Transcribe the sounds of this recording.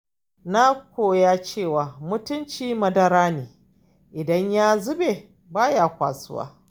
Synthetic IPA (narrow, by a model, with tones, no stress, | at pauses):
na˦kʷoː˨jaː˦t͡ʃeː˦˨waː˨mʊ˦tʊ˦nt͡ʃiː˦mɐ˦dɐ˦ɾaː˦neː˨ | ʔɪ˨dɐ˦ɲjaː˦zʊ˦be˨ | baː˦jaː˨kʷa̰ː˨sʊ̰˦wa̰ː˦